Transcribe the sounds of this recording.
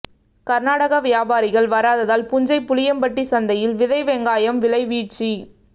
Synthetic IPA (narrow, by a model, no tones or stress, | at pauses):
kɐɾnaːɽɐɣɐʋɪjaːbaːɾɪɣɐɭʋɐɾaːðɐðaːlpʊɲd͡ʒɐɪpːʊlɪjɐmpɐʈːisɐnd̪ɐjɪlʋɪðɐɪʋɛŋɡaːjɐmʋɪlɐɪʋiːʈ̚t͡ʃi